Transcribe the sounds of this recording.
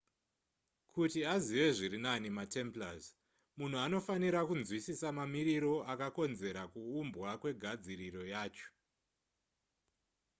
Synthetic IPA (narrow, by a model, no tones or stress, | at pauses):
kʰutiaziʋe̞ʐiɾinanimatʰe̞mplaz | mun̤uano̞faniɾakunzwisisamamiɾiɾo̞akako̞nze̞ɾakuːmbɣakwe̞ɡʱad͡ziɾiɾo̞jaːt͡ʃo̥